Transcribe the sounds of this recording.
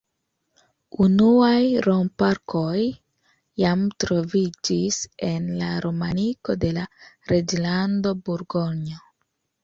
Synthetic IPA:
unuajɾompaɾkʰo̞jː | amtɾo̞vid͡ʒise̞nlaɾomaniko̞de̞la | ɾe̞d͡ʒlando̞buɾɡo̞ɲo

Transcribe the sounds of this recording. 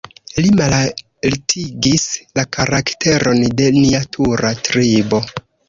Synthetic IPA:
limal | ltʰiɡislakʰaɾakte̞ɾʔo̞nde̞niatʰuɾatɾibo̞

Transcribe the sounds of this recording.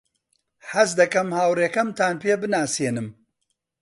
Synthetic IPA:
ħɐzd̪ɐkɐmhaːwreːkɐmt̪aːnpeːbɨnaːseːnɨm

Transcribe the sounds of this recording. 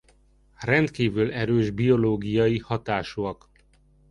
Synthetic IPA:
rɛndt̪kiːvylɛɾøːʒbio̞loːɡijɒjihɒt̪aːʃoɒk

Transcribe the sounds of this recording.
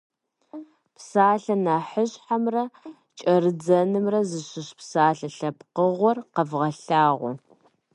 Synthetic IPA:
pʰsaːɬɐnaːħəɕħamrɐ | t͡ʃʼɐrɨd͡zɐnɨmrɐzɨɕɪɕpsaːɬɐɬɐpqəʁʷɔrqɐvʁɐɬaːʁʷɔ̰

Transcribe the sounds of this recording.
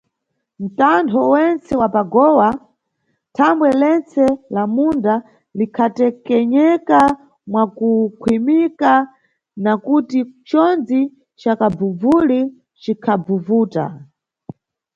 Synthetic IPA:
n̩tantʰɔwɛnt͡sɛwapaɡɔwa | tʰambwɛlɛnt͡sɛlamunda | likʰatɛkɛɲɛka | mwakukʰwimika | nakutit͡ʃɔnd͡zi | t͡ʃakabb͡vuvuli | t͡ʃikʰab͡vuvuːta̰

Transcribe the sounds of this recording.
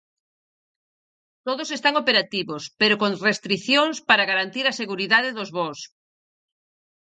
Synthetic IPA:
t̪oðosest̪aŋopeɾat̪iβospeɾokoŋrest̪ɾiθjoŋspaɾaɣaɾant̪iɾaseɣuɾiðaðeðʊzβos

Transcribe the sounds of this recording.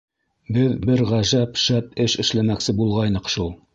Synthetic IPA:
bɘðbɘɾʁæʒæpʃæp̚ɘʃɘ̆ʃlæmæksɘbulˠʁɑjnɤqʃulˠ

